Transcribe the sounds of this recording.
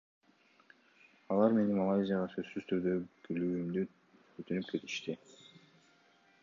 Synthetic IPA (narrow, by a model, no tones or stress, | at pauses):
ɑlˠɑɾme̞nimalˠɑjzʲɪjaʁɑsø̞zsːyzt̪ʰyɾd̪økelyːymd̪y | øt̪ynyp̚kʰe̞t̪i̥ʃt̪i